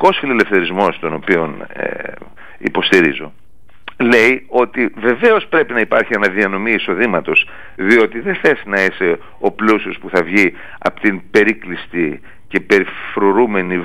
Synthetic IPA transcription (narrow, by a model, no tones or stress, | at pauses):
ko̞sfilelefθe̞ɾizmo̞st̪o̞no̞pio̞nḛ | ḭpo̞st̪iɾḭzo̞ | le̞io̞t̪ive̞ve̞o̞spɾe̞pinɐipɐɾçienɐðiɐno̞miːso̞ðimɐt̪o̞s | ðio̞t̪iðeθe̞sinɐise̞ | o̞plusospuθɐvʝi | ɐ̰po̥t̪inpe̞ɾiklist̪i | cepe̞ɾifɾo̞ɾume̞ni